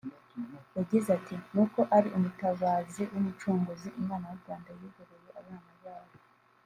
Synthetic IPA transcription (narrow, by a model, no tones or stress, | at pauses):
jaɟizatʰinuko̞ʔaɾiʔumutaβaːziwumut͡ʃuːŋɡoziʔimaːnajuɾɡwaːndajiɡoɾejoʔaβanajaːβo